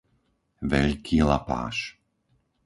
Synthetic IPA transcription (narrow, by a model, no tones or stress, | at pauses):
ʋɛʎkʰiːlapa̰ːʃ